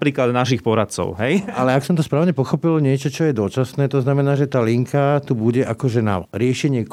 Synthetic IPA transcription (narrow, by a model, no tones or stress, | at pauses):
pɾiːklad̪naʃixpɔɾat̪̚t͡sɔ̰ʊɦɛjalɛaksɔmt̪ɔspɾaːʊɲɛpɔxɔpilɲɪɛt͡ʃɔt͡ʃɔjɛd̪ɔt͡ʃasnɛːt̪ɔznamɛnaːʒɛt̪aːliŋkʰat̪ubuɟɛʔakɔʒɛna̰ɾɪɛʃɛɲɪɛ